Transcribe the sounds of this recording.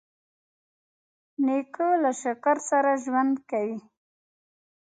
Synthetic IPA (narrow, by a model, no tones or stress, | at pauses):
nekolaʃakaɾsaɾaʒwand̪kawi